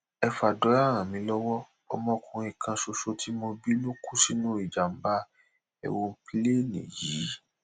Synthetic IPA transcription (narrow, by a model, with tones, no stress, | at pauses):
ɛ˧fa˨dɔ˨˦a˦˨ɾ̃ã˨mĩ˨˧˦lɔ˦wɔ˦ | ɔ˧mɔ̃˧kʰũ˧ĩ˨kʰã˧ʃo˧ʃo˧tʰi˦mõ˧bi˦lo˦ku˦si˦nũ˦i˨d͡ʒa˨m̩˦ba˦ | ɛ̰˨wo˧˦pi˦le˦˨nḭ̃˨ji˨˦